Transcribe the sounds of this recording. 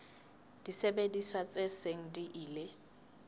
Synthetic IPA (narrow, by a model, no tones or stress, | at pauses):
d̥isebediswat͡sʼeseŋ̩diʔiːle